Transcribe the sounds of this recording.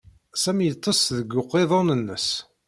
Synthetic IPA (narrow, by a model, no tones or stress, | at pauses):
sæmjət̪ˤːəsðəɡːʊqːeðˤɑnənːəs